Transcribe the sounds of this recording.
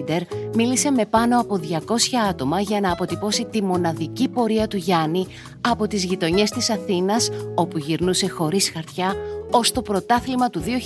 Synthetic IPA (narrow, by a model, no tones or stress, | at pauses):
d̪e̞ɾmilise̞me̞pɐno̞ɐpo̞ðʝɐko̞sçɐɐt̪o̞mɐʝɐnɐːpo̞t̪ipo̞sit̪imo̞nɐðicipo̞ɾiɐt̪uʝɐni | ɐpo̞t̪izʝit̪o̞ɲe̞st̪isɐθinɐso̞puʝiɾnuse̞xo̞ɾisxɐɾt̪çɐo̞st̪o̞pɾo̞t̪ɐθlimɐt̪uðio̞